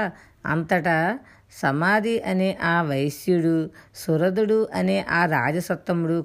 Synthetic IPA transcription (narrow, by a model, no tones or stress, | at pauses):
ɐ̰nt̪ɐʈɐ | sɐmaːd̪ʱiʔɐneːʔaːʋɐjsjuɽusuɾɐd̪uɽuʔɐneːʔaːɾaːd͡ʒɐsɐt̪ːɐmuɽu